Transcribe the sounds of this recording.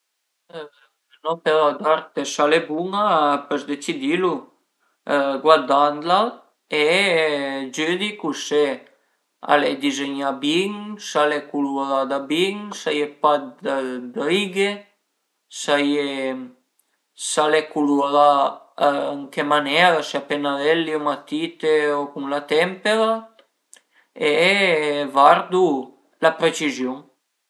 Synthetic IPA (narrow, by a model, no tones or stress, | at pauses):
nɔpelad̪aɾt̪esalebuŋapəzd̪et͡sid̪ilu | ɡwaɾd̪and̪la | e | d͡ʒød̪ikuse | a̰led̪izeɲabiŋsalekuluɾad̪abiŋsajepat̪əbɾiɡe | saje | salekuluɾa | əŋkemanɛɾaseapenaðɛlːiomat̪it̪eokuŋlat̪ɛmpeɾa | e | vaɾd̪u | lapɾet͡ʃizjuŋ